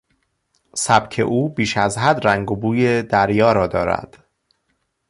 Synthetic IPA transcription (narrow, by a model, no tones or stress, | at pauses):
sæb̥cʰe̞̰ʔuːbiːʃæzɦæd̪ɾæŋɡobuːjed̪æɾjɒːɾɒːd̪ɒːɾæ̰d̪̥